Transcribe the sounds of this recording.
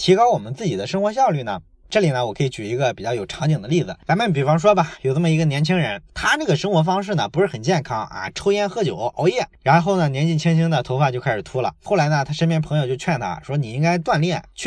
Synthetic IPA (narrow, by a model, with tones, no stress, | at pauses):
t̪ʰi˧˥kɑ˥ʊwɔ˨˩mə˦nt͡sɹ̩˥˩t͡ɕi˨˩d̪ə˦ʂɤ˥ŋxwɔ˧˥ɕjɑ˥˧ʊly˥˩nə̰˩ | ʈ͡ʂɤ˥˩li˨˩nə˦wɔ˨˩kʰɤ˧˥i˧˥t͡ɕy˨˩i˧˥ɡə˧pi˨˩t͡ɕjɑ˥˩ʊjo˨˩ʊʈ͡ʂʰɑ˧˥ŋt͡ɕi˨˩ŋd̪ə˦li˥˩d͡zɹ̩˩ja˧˥mə˥˩np̬i˨˩fɑ˥ŋʂ̬wɔ˥bɐ˨jo˨˩ʊʈ͡ʂə˥˩mə˩i˧˥ɡə˧njɛ˧˥nt͡ɕʰi˥ŋɻə˧˥nt̪ʰa˥na˥˩ɡə˩ʂɤ˥ŋxwɔ˧˥fɑ˥ŋʂ̬ɻ̩˥˩nə˩pu˧˥ʂɻ̩˥˩xə˨˩nt͡ɕjɛ˥˩nkʰɑ˥ŋɐ̰˧ʈ͡ʂʰo˥ʊjɛ˥nxɤ˥t͡ɕjo̰˨˩˦ʊʔo˧˥ʊjɛ˥˩ɻa˧˥nxo˥˩ʊnə˩njɛ˧˥nt͡ɕi˥˩nt͡ɕʰi˥ŋt͡ɕʰi˥ŋd̪ə˨t̪ʰo˧˥fa˥˧t͡ɕo˥˧kʰa˥ɪʂɻ̩˨˩t̪ʰu˥lə̰˨xo˥˩la˧˥ɪnə˧t̪ʰa˥ʂə˥nmjɛ˥˩npʰŋjo˧ʊt͡ɕo˥˧t͡ɕʰɥɛ˥˩nt̪ʰa̰˥˩ʂwɔ˥ni˨˩i˥ŋka˥ɪt̪wa˥˧nljɛ˥˩nt͡ɕʰy˥˩